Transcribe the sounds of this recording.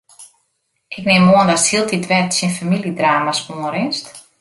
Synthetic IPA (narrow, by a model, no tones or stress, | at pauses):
ʔɪknɪmːoəndɔtsilˠtitʋɛtsinfamilidraːmasoəɾɪnst